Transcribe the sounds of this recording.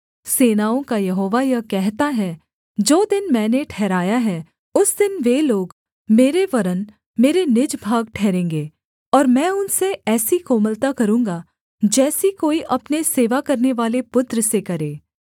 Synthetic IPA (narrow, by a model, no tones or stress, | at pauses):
seːnaːõkajɐɦoːʋajɐkɛɦt̪aɦɛ | d͡ʒoːd̪ɪnmɛ̃ːneʈʰɛːɾaːjaɦɛ | ʊsd̪ɪnʋeloːɡ | meːɾeʋɐɾən | meːɾenɪd͡ʒbʱaːɡʈʰɛːɾẽːŋɡeː | ɔːɾmɛ̃ːʊnseɛːsikoːməlt̪akɐɾũːŋɡa | d͡ʒɛːsikoːiʔɐpneseːʋakɐɾneʋaːlepʊt̪ɾəsekɐɾeː